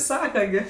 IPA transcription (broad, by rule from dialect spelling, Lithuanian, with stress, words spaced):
ˈsɑːkɐ ɡʲɪ